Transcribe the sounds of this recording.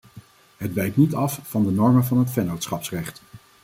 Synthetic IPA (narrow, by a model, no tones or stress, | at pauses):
ɦədbɛjk̚nitɑfvɑndənɔɹmənvɑnɦətfɛnowtsχɑpsrɛχt